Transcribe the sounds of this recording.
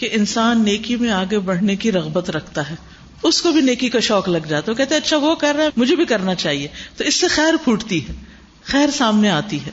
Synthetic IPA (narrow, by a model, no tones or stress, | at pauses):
keʔɪnsaːnːeːkimẽaːɡebɐɽ̤nekiɾɐɣbət̪ɾɐkʰt̪aɦɛː | ʊskobʱineːkikaʃɔːklɐɡd͡ʒaːt̪aɦokɛɦt̪ẽɐtːʃʰaʋokɐɾːaɦɛmʊd͡ʒʱebʱikɐɾnat͡ʃaːɦiet̪oɪsːexɛːɾpʰuːʈt̪iɦɛː | xɛːɾsaːmneaːt̪iɦɛː